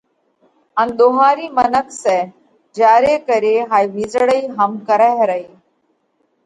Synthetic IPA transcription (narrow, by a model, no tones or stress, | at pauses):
ə̃nɗ̪oɦaːɾiːmənəkʰsɛː | d͡ʒaːɾeːkəɾeːɦaːiʋizɽəiːɦəmkəɾaɦɾəiː